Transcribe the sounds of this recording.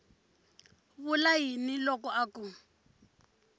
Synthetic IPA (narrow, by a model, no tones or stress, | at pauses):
βʊlaɦinilɔkɔʔaku